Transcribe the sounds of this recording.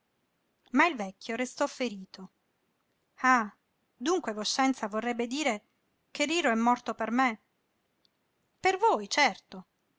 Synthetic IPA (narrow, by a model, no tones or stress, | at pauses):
mailvɛkʲːjoɾest̪ɔfːeɾiːt̪o | a | d̪uŋkwevoʃːɛnt̪savorːɛbːed̪iːɾe | keriːɾoɛmːɔrt̪operme | pervojt͡ʃɛrt̪o